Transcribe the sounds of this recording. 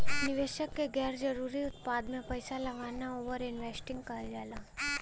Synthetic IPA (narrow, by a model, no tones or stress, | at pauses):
nɪʋeːʃəkːeɡɛːɾd͡ʒɐɾuːɾiʊt̪̚paːd̪mẽpɐɪsalɐɡaːnaoːʋəɾɪnʋeːsʈɪ̃ŋɡkad͡ʒaːlaː